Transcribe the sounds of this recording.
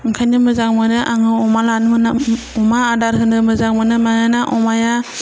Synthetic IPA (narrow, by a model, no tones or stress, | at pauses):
ɯŋkʰajnɯmɯzaŋmɯnɯʔaŋɯɔmalanmɯna | ɔmaːdaɾɦɯnɯmɯzaŋmɯnɯmaŋɯnaʔɔmaja